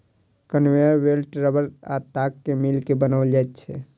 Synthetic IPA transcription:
kənweɾwelʈɾəbəɾat̪akːemilkebənəʋld͡ʒat̪t͡ʃʰɛ

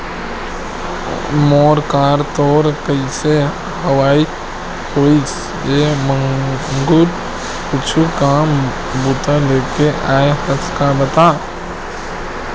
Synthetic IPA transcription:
mɔːɾkaːɾt̪ɔːɾkəise | ɦəwaːi | hoːis | eːmə̃ŋɡuːɾ | kʊt͡ʃʰukaːm | but̪əleːkeʔaːehəskabət̪aː

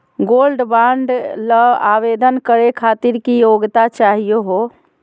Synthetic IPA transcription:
ɡolɖbaɳɖləabed̪ənkəɾekʰat̪iɾkijoɡt̪at͡ʃaɦijoɦo

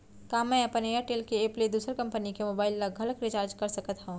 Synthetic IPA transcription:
kaːmɛ̃ɐpənejəɾʈeːlkeːpled̪uːsəɾkɐ̃mpənikemoːbaːɪlːaɡʱɐləkɾɪt͡ʃaːɾd͡ʒkɐɾsɐkət̪ɦũ

